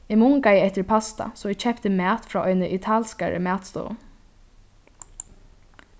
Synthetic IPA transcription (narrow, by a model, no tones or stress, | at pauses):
ɪmʊŋkajɪɛht̪ɪɾpʰast̪a̰sɔɪɡt͡ʃʰɛpt̪ɪmæːt̪fɾaːʔɔʏnɪʔɪt̪ʰaːlskaɹə̰mæːt̪st̪ɔ̰ːʊ̰